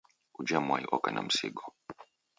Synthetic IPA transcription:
ud͡ʒamwajiʔɔkana̰m̩sḭɡɔ

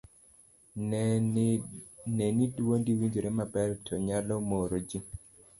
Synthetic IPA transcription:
nɛnidwondiwiɲd͡ʒoɾɛmabɛɾtʰɔɲalɔmoɾod͡ʒi

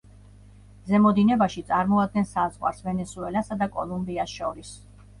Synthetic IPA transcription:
zɛmɔd̪inɛbaʃit̪sʼaɾmɔad̪̚ɡɛnsazʁwa̰ɾsvɛnɛsuɛlasad̪akʼɔlˠumbiasʃɔɾis

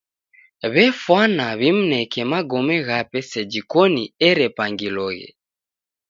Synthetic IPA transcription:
βɛfwanaβim̩nɛkɛmaɡɔmɛɣapɛsɛd͡ʒikɔniɛɾɛpaŋɡilɔɣɛ̰

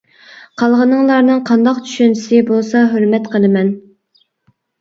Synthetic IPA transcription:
qʰɑlˠʁənɨŋlˠɑɾnɨŋqʰɑnd̪ɑqt͡ʃʰy̥ʃynt͡ʃʰi̥sɪbolˠsɑɦøɾmɛt̪qʰəlˠɨmɛn

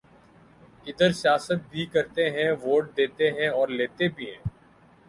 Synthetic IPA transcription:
ɪd̪əɾsijaːsət̪̚bʱikəɾt̪eɦɛ̃ʋoːʈ̚d̪eːt̪eɦɛ̃ɔːɾleːt̪ebʱiɦɛ̰̃ː

